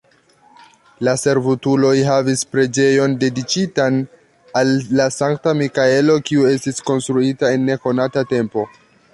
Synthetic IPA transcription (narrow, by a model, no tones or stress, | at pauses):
lase̞ɾvutulo̞jɦavispɾe̞d͡ʒe̞jo̞nde̞dit͡ʃitan | alːasaŋk̚tamikae̞lo̞kiue̞stisko̞nst̪ɾuitae̞nːe̞ko̞natate̞mpo̞